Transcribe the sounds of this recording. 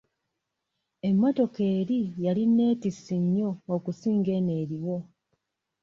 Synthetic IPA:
e̞mːoto̞ke̞ːɾijaline̞ːtisiɲːo̞ːkusiːŋɡe̞ne̞ːɾiwo̞

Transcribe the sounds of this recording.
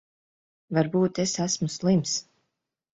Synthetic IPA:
vaɾbuːt̪esæsmuslˠims

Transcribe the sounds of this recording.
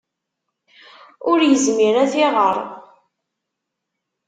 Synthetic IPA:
ʊɾjəzmiɾæθɪʁəɾˤ

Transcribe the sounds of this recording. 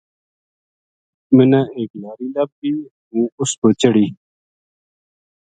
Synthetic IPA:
mɪnãːeːklaːɾiːlɐb̚ɡiː | ɦũːʊskoːt͡ɕəɽiː

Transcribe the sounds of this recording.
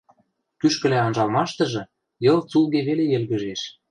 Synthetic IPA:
kyʃkə̆læonʒɑlmɑʃt̪ɤ̆ʒɤ̆ | jɤ̆lˠt͡sulˠɣeβelejĕlɣə̆ʒeʃ

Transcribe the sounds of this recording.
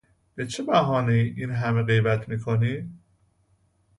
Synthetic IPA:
b̥e̞t͡ʃʰebæɦɒːniʔiːnɦæme̞ɣe̞jbæt̪ʰmiːkʰoniː

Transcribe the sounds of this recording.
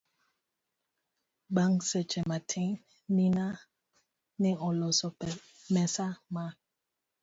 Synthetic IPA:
ɓaŋsɛt͡ʃɛmatʰen | nina | niʔɔlɔsɔ | mɛsama

